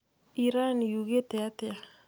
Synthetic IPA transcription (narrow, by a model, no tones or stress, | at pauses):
iɾanijuɣeteatea